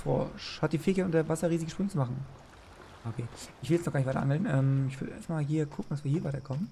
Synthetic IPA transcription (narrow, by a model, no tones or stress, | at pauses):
fʁɔ̰ʃhat̚d̥iːfeːçənʔʊntɐvasɐʁiːzɪɡəʃpʁʏnət͡sumaχn̩ | aːokʰeːʔɪçv̥ɪlɛt͡snɔχɡaːnɪçvaɪɐ̰aʔa̰ŋl̩nʔɛːmɪçv̥ʏɐdəʔḛɐstmaːlɦiːɐkʰʊkŋ̩d̥asv̥iːiːɐvaɪtɐkʰɔmən